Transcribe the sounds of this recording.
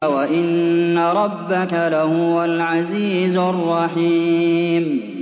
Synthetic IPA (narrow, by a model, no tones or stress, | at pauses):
waʔɪnːaɾˤɑbːakalahʊwalʕaziːzʊrˤːɑħiːm